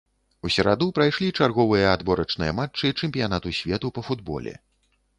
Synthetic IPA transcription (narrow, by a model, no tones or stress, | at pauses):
usʲɐɾa̰d̪upɾajʂlʲit͡ʂarɣɔvɨjɐad̪bɔɾɐt͡ʂnɨ̰jɐmat͡ʂt͡ʂːɨt͡ʂɛmʲpʲijanat̪usʲvʲɛt̪upɐfud̪̚bɔ̰lʲɛ̰